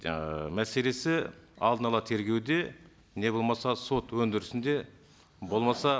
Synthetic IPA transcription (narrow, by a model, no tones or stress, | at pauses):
mæse̞le̞sɪɑ̰lˠd̪ənɑlˠɑt̪ʰe̞ɾɡʲe̞wd̪e̞ | ne̞bo̞lˠmɑsɑso̞t̪wɵnd̪ɪɾɪsɪnd̪e̞ | bo̞lˠmɑsɑ